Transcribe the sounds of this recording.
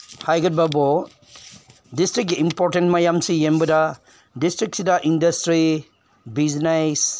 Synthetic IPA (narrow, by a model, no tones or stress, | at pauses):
hajɡud̚babo | distɾik̚ɡiimpoɾtentmajamsijembɐdɐ | distɾik̚sidɐʔindɐstɾi | biznes